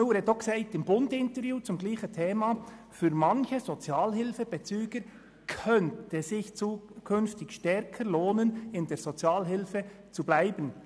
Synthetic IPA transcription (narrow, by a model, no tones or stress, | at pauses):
nuːɾedɔksɛɪtɪmbʊndɪntəɾvjuːt͡sʊmɡliːçəntʰeːmɑ | fyːɾmɑnçəzot͡sjɑːlhɪlfəb̥ɛt͡syːɡ̥əɾ | kʰœntəzɪçt͡suːkʰʏnftɪçʃtɛɾkʰəɾloːnənɪndeːɾz̥ot͡sjaːlɦɪlfə | t͡sublaɪbən